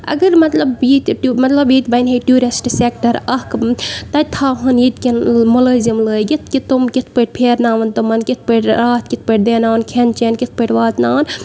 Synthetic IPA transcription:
ɐ̰ɡɐɾmɐt̪lɐbit̪ʈumɐt̪lɐbjit̪bɐnɦeʈuːɾesʈsek̚ʈɐɾɐhkt̪ɐt̪ʰaːɦɐnjit̪kʲinmoləːzɐmləːjɡit̪̚ʰkit̪omkit̪ʰpəʈ̚pʰeːɾnaːʋɐnt̪ɐmɐnkit̪̚ʰpəʈɾaːt̪̚kit̪̚ʰpəʈ̚d̪eːnaːʋɐnkʰent͡ʃenkit̪̚ʰpəʈʋaːt̪naːʋɐn

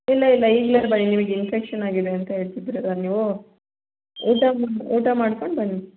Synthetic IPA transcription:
ilːɐilːɐiːɡlɐɾbɐɳːinimɐɡinpʰekʂɐnaːɡideɐnt̪ɐɦeːɭt̪id̪ɾeɾaːniːʋu | uːʈamauːʈamaːɽko̞ɳbɐɳːi

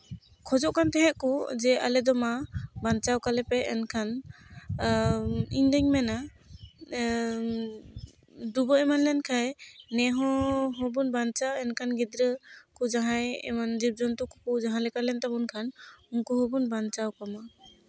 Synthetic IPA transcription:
kʰɔd͡ʒɔʔkʰant̪ɛɦɛʔkɔd͡ʒɛʔa̰lɛd̪ɔmabant͡ʃawkalɛpɛʔɛnkʰan | iɲd̪əɲmɛna | d̪ubɔɛmanlɛnkʰajnɛɦɔɦɔbunbant͡ʃaɛnkʰanɡid̪ɾəkud͡ʒaɦajɛ̰mand͡ʒib̚d͡ʒɔnt̪uku̥kud͡ʒaɦãlɛkalɛnt̪abɔnkʰanuŋkuɦɔbunbant͡ʃawkɔma

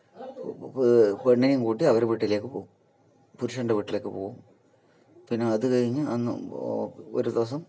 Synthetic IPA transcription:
peɳːɐnijumkuːʈːiɐʋɐɾeʋiʈːile̞ːkːɨpoːum | puɾuʂɐɳɖeʋiʈːile̞ːkːɨpoːɣum | pinːeɐðɨkɐɻiɲːɨɐnːɨ̰ | o̰ɾud̪ɐʋɐs̬ɐm

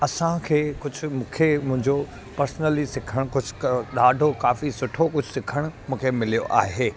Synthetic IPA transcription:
ɐsãkʰeːkʊd͡ʑʱʊmũːkʰemʊ̃ɦɪ̃ɲd͡ʑo | pɐɾsnəlisɪkʰəɽ̃kʊd͡ʑʱʊ̥kɗaːɖʱokaːfisʊʈʰokʊd͡ʑʱʊsɪkʰəɽ̃ʊmũːkʰemɪlijo̰ʔa̰ːɦeː

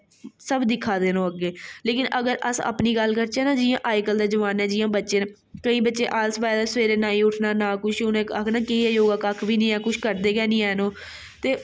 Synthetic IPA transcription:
səbd̪ɪkʰːaːd̪eːnõːəɡːeːleːkɪnəɡəɾə̰sa̰ːpniːɡəlːkəɾt͡ʃɛːnaːd͡ʒɪjãːʔaːikəld̪aːd͡ʒəʋaːnɛːd͡ʒɪjãːbətːʃeːn | kəĩːbətːʃḛ̃ːʔaːlsʋaːjd̪aːsʋeːɾeːnaːĩːʊʈʰnaːnaːkʊʃʊnẽːaknaːkɪɛːjoːɡaːkaːkʰbiːnĩːɛːkʊʃkəɾd̪eːkɛːnĩːɛːnõː | t̪eː

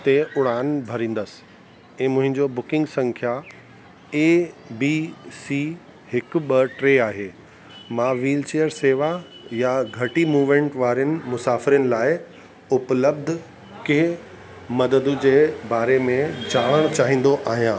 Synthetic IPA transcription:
t̪eʊɽaːnbʱɐɾĩːn̆d̪əs | ɛ̃ːmʊ̃ɦɪ̃ɲd͡ʑobʊkɪ̃ŋɡsɐ̃ŋkʰja | eːbiːsiː | ɦɪk̆ɓɐʈɾeːaːɦeː | mãːʋiːlt͡ɕeːəɾseːʋa | jaɡʱɐʈimuːʋmẽːɳʈʋaːɾɪjənɪ̆mʊsaːfɪɾjənɪ̆laːɪ | ʊpləb̚d̪ʱ | keː | mɐd̪əd̪ʊ̆d͡ʑeːbaːɾemẽd͡ʑaːɽ̃əɽ̃t͡ɕaːɦĩːn̆d̪oʔaːɦijãː

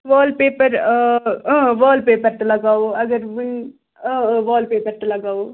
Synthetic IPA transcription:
ʋaːlpeːpəɾ̃ | ʋaːlpeːpəɾt̪ɐlɐɡaːoɐɡəɾʋʊnː | ʋaːlpeːpɐɾt̪ɐlɐɡaːoː

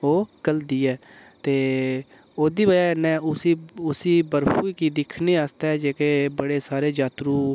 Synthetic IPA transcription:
oːkəld̪iːɛːt̪eː | oːd̪iːbəjaːnɛ̃ːʊsiːʊsiːbəɾpuːiːkiːd̪ɪkʰneːaːst̪ɛːd͡ʒeːkeːbəɽeːsaːɾeːd͡ʒaːt̪ɾuː

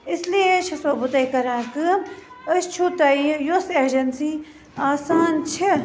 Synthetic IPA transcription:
ɪsliet͡ʃʰɐsɐbut̪ɐikɐɾãːkɨ | ɐst͡ʃʰut̪ɐːijoseːd͡ʒɐnsi | aːsaːnt͡ʃʰɐ

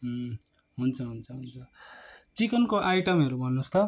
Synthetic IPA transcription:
ɦunt͡sʰʌɦunt͡sʰʌɦunt͡sʰʌt͡sikʌnkoʔajʈʌmɦʌɾubʱʌnːust̪ʰʌ

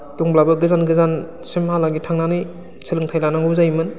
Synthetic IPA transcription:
tuŋblabɯɡɯzanɡɯzan | simhalaɡitʰaŋnanɯj | sʰilɯŋtʰajlanaŋɯwzajmɯn

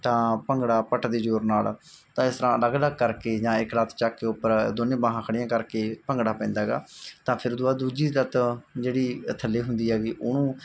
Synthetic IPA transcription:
t̪ãːpəŋɡɽaːpəʈd̪eːd͡ʒoːɾnaːlt̪ãːɪst̪əɾãːələɡləɡkəɾkeːd͡ʒãːɪklət̪ʰt͡ʃaːkːeːʊpːəɾd̪onẽːbãːɦãːkʰəɽɪjãːkəɾkeːpəŋɡɽaːpɛ̃ːnd̪aːɡa̰ːt̪ãːpʰɪɾd̪ʊaːd̪uːd͡ʒiːlət̪d͡ʒeːɽiːt̪ʰəlːiːɦʊnd̪iːɦɛːɡiːʔʊnũː

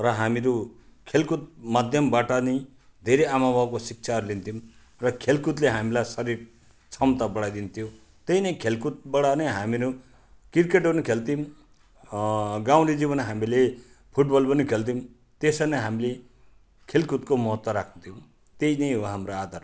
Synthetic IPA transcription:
rʌɦamiɾukʰelkut̪̚mad̪ʱjʌmbaʈʌnʌj | d̪ʱeɾejamabʱabkosik̚t͡sʰarlint̪ʰim | rʌkʰelkut̪leɦamilajsʌɾiɾ | t͡sʰʌmt̪abʌɽajd̪int̪ʰijo | t̪ʌjnʌjkʰelkut̪̚bʌɽanʌjɦamiɾu | kirkeʈbʌnikʰelt̪im | ɡaw̃ɾid͡ziβʌnɦamile | pʰuʈbʌlbʌnikʰelt̪̬im | t̪esʌnʌɦamile | kʰelkut̪komʌɦʌt̪wʌɾakʰnt̪ʰijo | t̪einʌjɦoɦamroad̪ʱar

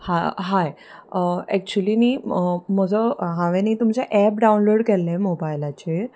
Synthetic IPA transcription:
haɦae | ɛk̚t͡ɕuəliːniːməd͡zʱəɦãʋeniːt̪umt͡seʔɛp̚ɖaunloɽkelẽmobajlat͡ɕe

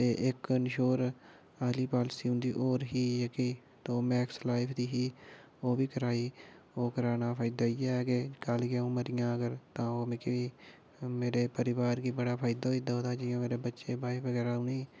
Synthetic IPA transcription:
t̪eːʔɪknɪʃoːɾ | aːliːpaːlsiːɦʊ̃nd̪iːʔoːɾɦiːjəki | t̪oːmɛ̃ːkslaːɪpʰd̪iːɦiː | oːʋiːkəɾaːiː | oːkəɾaːnaːpʰaːɪd̪aːijakeːkəlɡeũːməɾɪjãːəɡəɾt̪ãːoːmːkiː | meːɾeːpəɾɪʋaːɾkiːbəɽaːpʰaːɪd̪aoːid̪aɦoːd̪aːd͡ʒɪjõːmeːɾeːbətːʃeːbaːiʋəɡɛːɾaːũːnĩː

